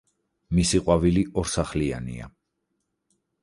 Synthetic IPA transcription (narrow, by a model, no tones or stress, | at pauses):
misiqʼwaviliʔɔɾsaχlianḭa̰